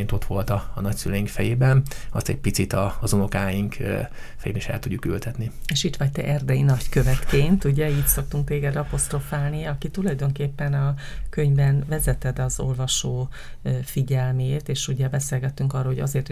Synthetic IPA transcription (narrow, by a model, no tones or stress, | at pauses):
nt̪o̞t̪ʋo̞lt̪ɒːnɒcsylɛjiŋkfɛjeːbɛnɒ̰st̪ɛɟ̚pit̪sit̪ɒzunokaːjiŋk | fɛjḛːbɛneːʃɛ̰lt̪uɟːuky̰lt̪ɛt̪nieːʃit̪ʋɒct̪ɛʔɛrd̪ɛjinɒckø̞vɛt̪keːnt̪uɟɛiːcso̞k̚t̪uŋk̚t̪eːɡɛd̪ɒpo̞st̪ro̞faːlniɒkit̪ulɒjd̪o̞ŋkeːpːɛnɒkø̞ɲbɛnvɛzɛt̪ɛd̪ɒzo̞̰lvɒʃoː | fiɟɛlmeːt̪eːʃuɟɛbɛseːlɡɛt̪ːyŋkɒrːoɦo̞ɟɒ̰zeːrt̪